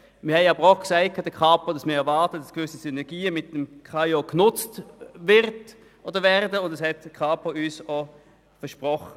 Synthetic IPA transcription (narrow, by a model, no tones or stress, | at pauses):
mɪɐhɛɪɑbəʁɔχksaɪt̚kʰːɑdəkʰɑːpɐd̥ɑsmɪːɐɛɐvɑʁtətd̥ɑ̥skʋʏsisynɛʁɡiːəmɪt̚dəmkʰɑjoknʊt͡stvɪʁt | ʔoːdəvɛʁdəʊndɛshɛtkʰɑːpəyːso | fəʃpʁɔχə